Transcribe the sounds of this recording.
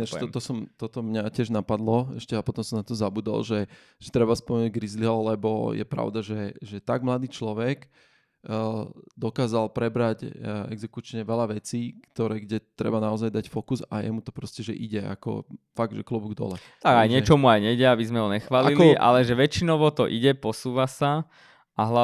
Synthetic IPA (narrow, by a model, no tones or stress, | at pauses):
aʃt̪ɔt̪ɔsɔmt̪ɔt̪ɔmɲacɪɛʒnapad̪lɔɛʃcɛapɔt̪ɔmsɔmnat̪ɔzabuːd̪a̰lʒɛ | ʒ̥ɛt̪ɾɛbaspɔmɛnuɟɡɾizliɦɔlɛbɔjɛ̰pɾa̰ʊd̪aʒɛʒɛt̪aɡmlad̪iːt͡ʃlɔʋɛɡ | d̪ɔkaːzalpɾɛbɾacɛɡzɛkut͡ʃɲɛʋɛʎaʋɛt͡siːkt̪ɔɾɛːɡɟɛt̪ɾɛ̰banaɔzajd̪acfɔkuzajɛmut̪ɔpɾɔscɛʒɛ̰ʔiɟɛa̰kɔ̰faɡ̚d̪ʒɛklɔbuɡd̪ɔ̰lɛ̰ | t̪aɡajɲɪɛt͡ʃɔmuajɲɛɟɛabizmɛɦɔɲɛxʋaːlailkɔiʔa̰lɛʒɛʋɛt͡ʃinɔʊʋɔt̪ɔʔiɟɛpɔsuːʋasa | aɦla